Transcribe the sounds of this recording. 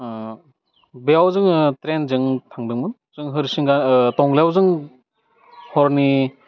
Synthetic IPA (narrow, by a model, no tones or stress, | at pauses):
beawzɯŋtɾenzɯŋtʰaŋdɯŋmɯn | z̥ɯŋɦɯɾsiŋɡantɔŋlejawzɯŋ | hɔɾni